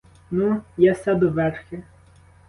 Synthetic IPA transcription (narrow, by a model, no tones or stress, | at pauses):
nujasʲad̪ʊʋɛrxʲɪ